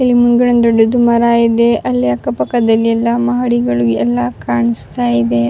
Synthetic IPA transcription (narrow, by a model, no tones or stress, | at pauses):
elimunɡɐɽɐnd̪oɖːud̪umɐɾaːjid̪eʔɐlːjɐkːɐpɐkːɐd̪ɐlːiɛlːɐmɐɦɐɽiɡɐɭuɛlːɐkaːɳist̪aːjid̪e